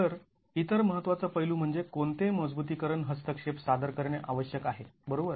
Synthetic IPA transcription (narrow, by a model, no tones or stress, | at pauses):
əɾ | it̪əɾməɦət̪ːʋat͡səpəjluːm̤əɳd͡zekont̪eməd͡zbut̪̬iːkəɾəɳɦəst̪əkʂepsad̪əɾkəɾɳeʔaʋəɕjəkaɦebəɾobəɾ